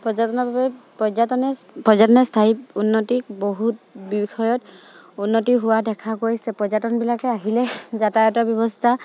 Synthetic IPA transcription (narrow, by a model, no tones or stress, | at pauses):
pɹɔzatɔnɔbabɛpɔzatɔnɛ | pɔzatɔnɛstʰaiunːɔtik̚boɦutbixɔjɔt | unːɔtiɦʊwadɛkʰakojsɛpɔzatɔnbilakɛaɦilɛzatajɔtabjɔbɔst̪ʰa